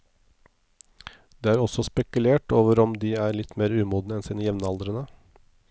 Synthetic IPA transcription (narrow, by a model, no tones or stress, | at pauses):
d̪̥eːæːɾɔsɔspɛkʉleːʈoːʋəɾɔmd̪iːæːɾɭɪt̪meːɾʉːmuːd̪nəɛnsiːnəjɛʋnəɑld̪ɾənə